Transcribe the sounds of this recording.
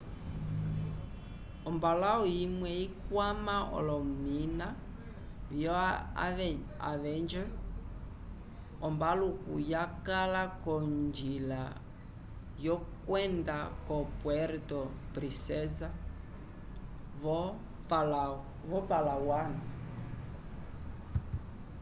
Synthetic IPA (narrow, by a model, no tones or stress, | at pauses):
ɔmbalaɔjimwɛikwamaɔ̰lɔmina | vjɔ | a̰vɛnd͡ʒɛ | ɔmbalukṵjakalakɔnd͡ʒila | jɔkwɛndakɔpwɛɾtɔ | pɾisɛza | vɔ | pla | vɔpalawana